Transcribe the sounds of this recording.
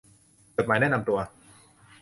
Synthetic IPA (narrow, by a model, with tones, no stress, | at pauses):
t͡ɕo˨˩t̪̚maː˩˦jnɛː˥˨na˧mt̪u˧ɐ